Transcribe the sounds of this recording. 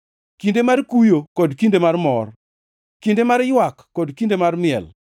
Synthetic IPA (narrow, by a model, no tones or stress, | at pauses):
kindemarkujokɔdkindemarmɔr | kindemarjwakːɔdkindemarmɪɛ̰l